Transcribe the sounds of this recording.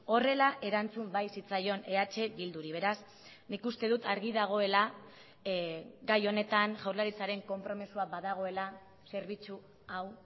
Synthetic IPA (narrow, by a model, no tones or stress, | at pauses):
o̞re̞laʔe̞ɾant͡sumbajsit͡sajo̞ne̞at͡ʃe̞bild̪uɾiβe̞ɾas | nikust̪e̞ðut̪aɾɣiðaɣ̞o̞e̞la | ɡajo̞ne̞t̪anʝawɾlaɾit͡saɾe̞ŋko̞mpɾo̞misuabaðaɣ̞o̞e̞la | se̞ɾβ̞it͡su | aw